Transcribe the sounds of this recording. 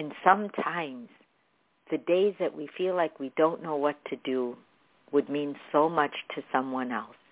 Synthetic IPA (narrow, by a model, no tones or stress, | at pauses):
ɨ̃nsʌ̃mtʰãɪ̃mz̥ | ðɨdeɪzðɨʔwifilaɪkwidõʊ̃nːoʊwʌtʰɨdɨ | wɨd̚mĩnsoʊmʌt͡ʃtʰɨsʌ̃mwʌ̃nɛlˠs